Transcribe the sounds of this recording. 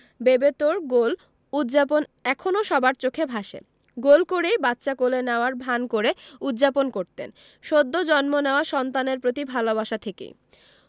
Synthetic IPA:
bebet̪oɾɡol | ud̪d͡ʑaponɛkʰonoʃɔbaɾt͡ɕokʰebʱaʃḛ | ɡolkoɾejbat̪ːɕakolenɛoaɾbʱankoɾeud̪d͡ʑaponkoɾt̪en | ʃod̪ʱːod͡ʑɔnmoneoaʃɔnt̪aneɾpɾot̪ibʱalobaʃat̪ʰekḛj

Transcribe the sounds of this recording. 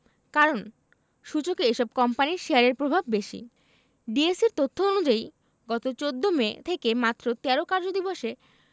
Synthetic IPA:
kaɾon | ʃud͡ʑokeeʃɔb̚kɔmpaniɾʃeaɾeɾpɾobʱabːeʃḭ | ɖieseɾt̪ot̪ʰːoonud͡ʑai | ɡɔt̪ot͡ɕod̪ʱːomet̪ʰekemat̪ːɾot̪ɛɾokaɾd͡ʑod̪iboʃe

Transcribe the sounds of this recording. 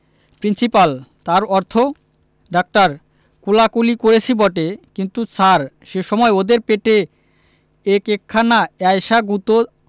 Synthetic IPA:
pɾinsipalt̪aɾɔɾt̪ʰo | ɖak̚ʈaɾ | kulakulikoɾet͡ɕʰibɔʈekint̪ut͡ɕʰaɾ | ʃeʃɔmɔeod̪eɾpeʈe | ekekʰːanaajʃaɡut̪o

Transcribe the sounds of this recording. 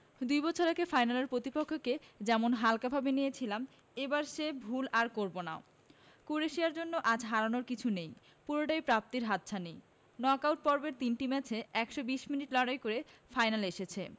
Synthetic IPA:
d̪ujbɔt͡ɕʰoɾakefajnaleɾpɾot̪ipokʰːoked͡ʑɛmonɦalkabʱabenijet͡ɕʰilam | ebaɾʃebʱulaɾkoɾbona̰o | kuɾeʃiaɾd͡ʑonːoʔad͡ʑɦaɾanoɾkit͡ɕʰunej | puɾoʈajpɾap̚t̪iɾɦat̪ːɕʰanej | nɔkawʈ̚pɔɾbeɾt̪inʈimɛt͡ɕʰeɛkʃobiʃminiʈlɔɽajkoɾefajnaleʃet͡ɕʰe

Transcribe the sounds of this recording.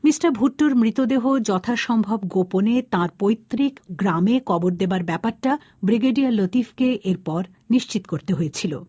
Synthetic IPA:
misʈaɾbʱuʈːoɾmɾit̪od̪eɦod͡ʑɔt̪ʰaʃɔmbʱobɡoponet̪ãɾpojt̪ːɾikɡɾamekɔboɾd̪ebaɾbɛpaɾʈa | bɾiɡeɖialot̪ifʰkeʔeɾpɔɾ | niʃt͡ɕit̪okoɾt̪eɦojet͡ɕʰilo̰

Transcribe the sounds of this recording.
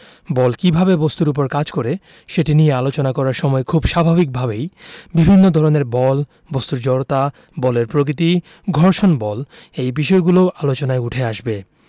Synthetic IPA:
bɔlkibʱabebost̪uɾup̬oɾkad͡ʑkoɾe | ʃeʈinijealot͡ɕonakɔɾaɾʃɔmɔekʰubʃabʱabik̚bʱabejbibʱinːod̪ʱɔɾoneɾbɔl | bost̪uɾd͡ʑɔɾt̪a | bɔleɾpɾok̬ɾit̪i | ɡʱɔɾʃonbɔlejbiʃɔeɡuloʔalot͡ɕonaeuʈʰeaʃbe

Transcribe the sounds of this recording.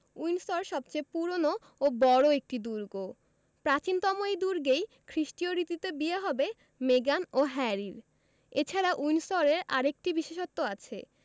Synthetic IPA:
ujnsɔɾʃɔb̚t͡ɕejpuɾono | obɔɾoek̚ʈid̪uɾɡo | pɾat͡ɕint̪ɔmojd̪uɾɡej | kʰɾiʃʈioɾit̪it̪ebieɦɔbe | meɡanoɦɛɾiɾ | et͡ɕʰaɾaʔujnsɔɾeɾa̰ɾek̚ʈibiʃeʃot̪ːoat͡ɕʰḛ

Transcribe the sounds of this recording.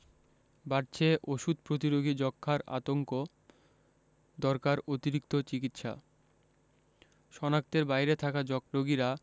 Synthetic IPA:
baɾt͡ɕʰeʔoʃud̪pɾot̪̬iɾoɡʱid͡ʑɔkʰːaɾa̰t̪oŋko | d̪ɔɾkaɾot̪iɾikt̪ot͡ɕikit̪ʃa̰ | ʃɔnak̚t̪eɾbajɾet̪ʰakad͡ʑɔɾoɡiɾa

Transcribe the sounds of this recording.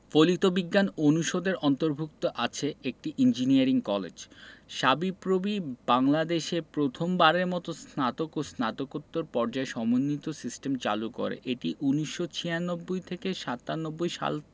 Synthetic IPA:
folit̪obiɡːanonuʃod̪eɾɔnt̪oɾbʱuk̚t̪oʔat͡ɕʰeek̚ʈiʔind͡ʑiniaɾiŋkɔlḛd͡ʑʃabipɾobibaŋlad̪eʃepɾot̪ʰombaɾeɾmɔt̪osnat̪okosnat̪okot̪ːoɾpɔɾd͡ʑaeʃɔmonːit̪osisʈemt͡ɕa̰luko̰ɾḛʔeʈiʔuniʃːot͡ɕʰijanobːojt̪ʰekeʃat̪ːanobːojʃa̰l

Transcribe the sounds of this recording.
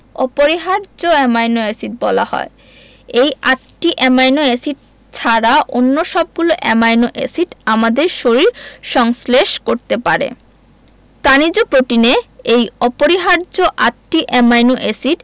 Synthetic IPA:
ɔpoɾiɦaɾd͡ʑoɛmajnoesiʈ̚bɔla̰hɔ̰e | ejʔatʈiʔɛmajnoesiʈ̚ | t͡ɕʰaɾaʔo̰nːoʃɔb̚ɡuloʔɛmajnoʔḛsiʈamad̪eɾʃoɾiɾʃɔŋsleʃkoɾt̪epaɾḛ | t̪anid͡ʑopɾoʈineejɔpoɾiɦaɾd͡ʑoʔatʈiʔɛmajnoʔesiʈ

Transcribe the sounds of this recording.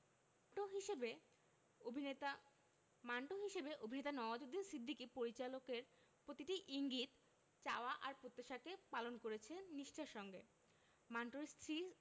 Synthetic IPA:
oɦiʃebe | bʱi | maɳʈoɦiʃebeʔobʱinet̪anɔad͡ʑod̪insid̪ʱːikipoɾit͡ɕalokeɾ | pɾot̪iʈiʔiŋɡit̪ | t͡ɕaoaʔaɾpɾot̪ːaʃakepalonkoɾet͡ɕʰenːiʃʈʰaʃɔŋɡe | maɳʈoɾst̪ʰɾi

